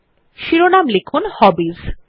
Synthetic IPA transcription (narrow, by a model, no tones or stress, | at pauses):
ʃiɾonamlekʰunhɔbiz